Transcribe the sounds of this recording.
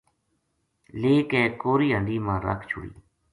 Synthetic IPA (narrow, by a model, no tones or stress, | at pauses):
leːkɛːkoːɾiːɦəɳɖiːmãːɾə̰kʰt͡ʃʰʊ̰ɽḭː